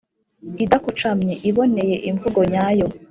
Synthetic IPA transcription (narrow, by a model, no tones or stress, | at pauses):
idakut͡ʃamɲeʔiβo̞ne̞je̞ʔiɱvuɡo̞ɲaːjo̞